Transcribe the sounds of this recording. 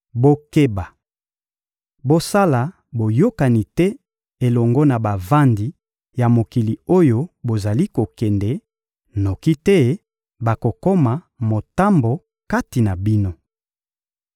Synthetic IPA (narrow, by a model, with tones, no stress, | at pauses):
bo˦ke˦ba˨ | bo˦sa˦la˨ | bo˨jo˦ka˨ni˨tɛ˦ | e˨lɔ˨ŋɡɔ˦na˨ba˨va˦ndi˨ | ja˨mo˨ki˨li˨o˦jo˦bo˨za˨li˦ko˨kɛ˨ndɛ˨˦ | no˨ki˦tɛ˦ | ba˨ko˨ko˦ma˨ | mo˨ta˦mbo˨ | ka˦ti˨na˨bi˦no˦